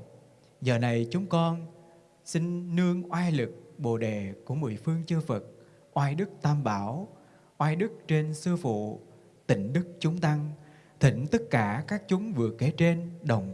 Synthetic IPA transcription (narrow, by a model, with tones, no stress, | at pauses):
zəː˨˩na˨˩jt͡ɕʊ˨˦ŋ͡mkɔ˧n | sï˧ŋ̟ːɨ˧əŋʔwaː˧jlɨ˨˩k̚ɓo̰˧˨ɗe˨˩ku˧˩əmṵ˧˩˨jfɨ˧əŋt͡ɕɨ˧fə˨˩t̚ | ʔwaː˧jɗɨ˦˥k̚t̪aː˧mɓaː˧˩w | ʔwaː˧jɗɨ˦˥k̚t͡ɕe˧nsɨ˧fṵ˧˨ | t̪ï˧˩ŋ̟ɗɨ˦˥k̚t͡ɕʊ˨˦ŋ͡mt̪a˧ŋ | t̪ʰï˧˩ŋ̟t̪ə˦˥t̚kaː˧˩kaː˦˥k̚t͡ɕʊ˨˦ŋ͡mvɨ˨˩əke˨˦t͡ɕe˧nɗə˨˩wŋ͡m